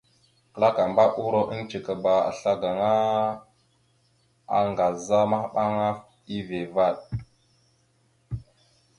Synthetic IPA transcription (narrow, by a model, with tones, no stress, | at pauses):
kə˨la˦ka˨mba˦ʔu˦ɾo˦ʔə˦nt͡ʃi˨ka˨ba˨a̰˨ɬa˦ɡa˨ŋa˦ | a̰˨ŋɡa˨za˦ma˦ɓa˦ŋa˦f | i˦ve˨va˦˨ɗ̚